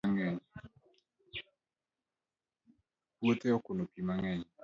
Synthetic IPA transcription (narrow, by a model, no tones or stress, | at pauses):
ŋɛɲ | pwot̪eɔkʊnopimaŋɛɲ